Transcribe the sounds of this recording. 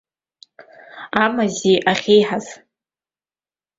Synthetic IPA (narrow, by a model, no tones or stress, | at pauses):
amaziʔaχʲejħaz